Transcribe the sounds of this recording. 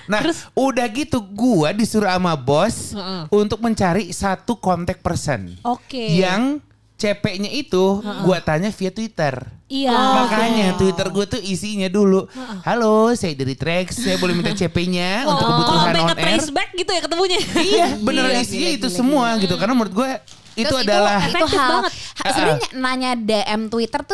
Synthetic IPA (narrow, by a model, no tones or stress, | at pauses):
naɾudahɡit̪uɡuadisuɾuamabɔsunt̪ʊk̚məɲt͡ʃaɾisat̪ukɔnt̪ɛk̚pərsɛ̰nokejaŋ | t͡ʃepɛʔɲaʔit̪uɡuat̪aɲafiat̪uwit̪əribakaɲat̪uwit̪ərɡuat̪uisiɲaduluhalosajadaɾit̪ɾɛksːajabolɛhmint̪at͡ʃepɛɲaunt̪ʊkəbuɾusannɔnʔɛrsbɛk̚ɡit̪ujakət̪əmuɲaijabənərisiɲait̪usəmuaɡit̪ukarnamuɾʊt̪̚ɡua | itt̪uadalahbaŋət̚aəsəaɲanaɲadaʔɛmt̪wit̪ərt̪u